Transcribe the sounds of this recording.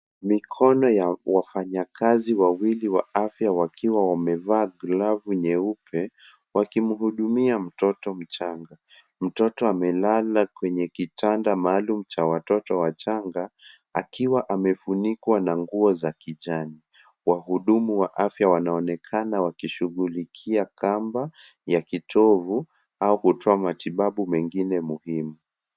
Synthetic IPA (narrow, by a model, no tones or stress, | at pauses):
mikʰɔnɔjawafaɲakʰaziwawiliwaafjawakiwawamɛvaːɡlavuɲɛupʰɛ | wakimuɦuɗumiam̩tɔtɔm̩t͡ʃaŋɡa | m̩tɔtɔamɛlalakwɛɲɛkitandamaːlum̩t͡ʃawatɔtɔwat͡ʃaŋɡa | a̰kiwaʔamɛfunikwanaŋɡuɔzakiʄani | waɦuɗumuwaʔafjawanaɔnɛkʰanawakiʃuɣulikʰiakamba | jakitʰɔvu | aukutʰɔamatiɓaɓumɛŋɡinɛmuhimu